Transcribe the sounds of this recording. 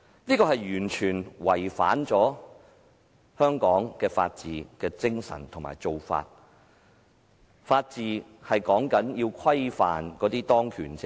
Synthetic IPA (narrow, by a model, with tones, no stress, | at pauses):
niː˥kɔː˧hɐ˨jɥyː˨˩nt͡ʃʰyː˨˩nwɐ˨˩jfa̰ː˨˥nt͡sɔː˨˥ | hœː˥ŋkɔː˨˥ŋkɛː˧fa̰ː˧t̚t͡siː˨kɛː˧t͡sɪ˥ŋsɐ̰˨˩nt̪ʰʊ˨˩ma̰ː˨˩jt͡so˨wfa̰ː˧t̚ | faː˧t̚t͡siː˨hɐ˨jkɔː˨˥ŋkɐ˨˥njiː˧wkʰwɐ˥jfa̰ː˨nkɔː˨˥t̪iː˥t̪ɔː˥ŋkʰyː˨˩nt͡sɪ˧˨